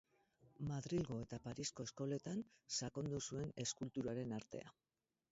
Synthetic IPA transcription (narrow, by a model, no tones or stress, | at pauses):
maðɾilɣo̞e̞t̪apaɾisko̞esko̞le̞t̪ansako̞nd̪usue̞ne̞skult̪uɾaɾe̞naɾt̪e̞̰a̰